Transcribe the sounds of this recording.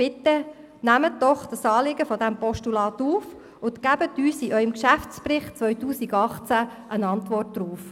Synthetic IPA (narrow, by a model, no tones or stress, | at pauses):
ɪt̪ə | næmət̚dɔχd̥ɑsɑːlɪɡəfɔdæmpɔʃtulɑːt̪uːf | ʊntkæb̥ət̪yːsiʔœʏɪmkʃæft͡sprɪχt͡sʋœʏtuːsiɡɑχt͡sæʔənɑntʋɔrt̚d̥̪ɾuːf